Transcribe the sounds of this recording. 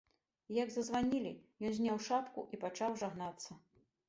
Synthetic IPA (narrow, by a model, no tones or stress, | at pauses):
ijɐɡzɐzvanʲilʲḭjɔnzʲnʲawʂapkṵʔipat͡ʂawʐaɣnat̪sːɐ